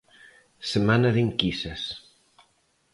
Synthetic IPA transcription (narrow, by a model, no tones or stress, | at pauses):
semanaðiŋkisɐs